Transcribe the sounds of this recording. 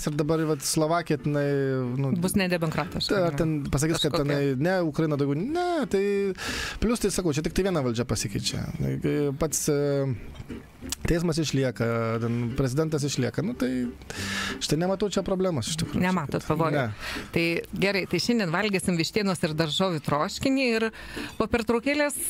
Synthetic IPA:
sɪɾd̪ɐbɐɾʋɐt̪slˠoːʋɑːkʲɪjɛt̪ʲɪnɐɪnʊbʊsnʲɛd̪ʲɛmokɾɑːt̪ʲɪʃɐrt̪ʲɛnpɐs̬ɐkʲiskɐt̪tʲɪnɐɪnʲɛʊkɾɐjɪnɐd̪ɐʊɡʲɛʊnʲɛt̪ɐɪ | pʲlʲʊst̪ɐɪsɐkɐʊt͡ʃʲɛt̪ʲɪk̚t̪ɐɪʋʲiɛnɐʋɐlʲd͡ʒʲɛpɐsʲɪkʲɐɪt͡ʃʲɛ̰ | pɐt̪s | t̪ʲɛɪs̬mɐs̬ɪʃʲlʲiɛkɐt̪ʲɛnpʲɾʲɛzʲɪd̪ʲɛnt̪ɐs̬ɪʃʲlʲiɛkɐnʊt̪ɐɪ | t͡ʃʲt̪ɐɪnʲɛmɐt̪ɐʊt͡ʃʲɛpɾoːblʲæːmoːsɪ̥ʃʲt̪ʲɪkɾṵːnʲɛmɑːt̪oːt̪pɐʋoːjnʲɛt̪ɐɪɡʲɛɾɐɪt̪ɐɪʃʲɛnd̪ʲiɛnʋɐlʲɡʲeːsʲɪmʋʲɪʃʲt̪ʲiːnoːsɪrd̪ɐrʒoːʋʲʊt̪ɾoːʃʲkʲɪnʲiːɪrpoːpʲɛrt̪ɾoːkʲeːlʲeːs

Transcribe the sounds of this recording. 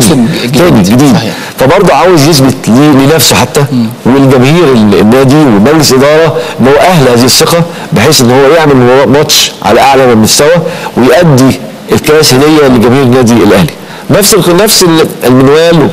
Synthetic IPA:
d̪it̪æːniɡed̪iːd̪ | fæbɑɾˤd̪ˤoʕaːwezjes̬bet̪liːliːnæfsoħat̪ːæwelɡæmæhiːɾelḛnːæːd̪iwemæɡleselʔed̪ɑːɾˤɑʔelːhowːæʔæhlhæːzihesˤːeqɑ | beħeːsʔenːhowːæjeʕmelmɑˤɑʔmɑt̪ʃʕa̰læʔaʕlæmelmost̪æwæwejʔæd̪ːi | elkæːshæd̪ejːæliɡæmæhiːɾenːæːd̪ielʔæhli | næfselnːæfseelmenwæːl

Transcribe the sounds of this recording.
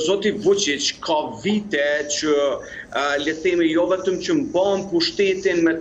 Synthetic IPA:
zɔt̪ivut͡ʃit͡ʃkʰavit̪ɛt͡ʃə | lət̪ɛmijɔvɛt̪əmt͡ɕəmbanpuʃt̪ɛt̪inmɛ

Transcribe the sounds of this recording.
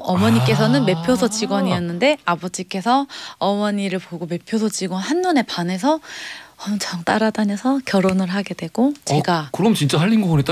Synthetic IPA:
ʌmʌɲik͈e̞s̬ʰʌnɯnme̞pʰjosʰʌt͡ɕiɡwʌɲiʌnːɯnde̞abʌd͡ʑik͈e̞sʰʌʌmʌɲiɾɯɭpoɡome̞pʰjosʰʌd͡ʑiɡwʌnhanːune̞pane̞s̬ʰʌʌmt͡ɕʰʌŋt͈aɾadanesʰʌkjʌɾonɯɭɦaɡe̞dwe̞ɡ̥ot͡ɕeɡakɯɾʌmt͡ɕint͡ɕ͈aɦaʎːinɡʌɡnet͈a

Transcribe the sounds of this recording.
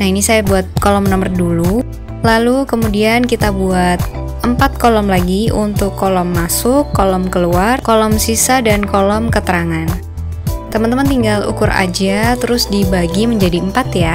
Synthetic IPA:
nahinisajabuat̪̚kolɔmnɔmərdulu | lalukəmudiankit̪abuat̪̚ | ʔəmpat̪̚kolɔmlaɡiunt̪ʊkːɔlɔmːasʊkːolɔmkəluarkolɔmsisadankolɔmkət̪əɾaŋan | t̪əmənt̪əmənt̪iŋɡalṵkʊɾa̰d͡ʒat̪əɾʊsdibaɡiməɲd͡ʒadiəmpat̪ja

